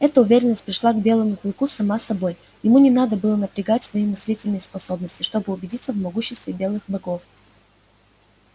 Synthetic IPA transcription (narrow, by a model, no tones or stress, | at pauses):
ɛt̪əʊvʲeɾʲɪnːəsʲt̚ʲpɾʲɪʂlˠaɡbʲe̞lˠəmʊplˠɨkusɐmasːɐbo̞j | jɪmunʲɪnad̪əbɨlˠənəpɾʲɪɡatʲsvɐimɨsʲlʲitʲɪlʲnɨjəspɐso̞bnəsʲtʲɪʂt̪o̞bɨʊbʲɪdʲit̪səvmɐɡuɕːɪst̪vʲɪbʲe̞lˠɨxbɐɡo̞f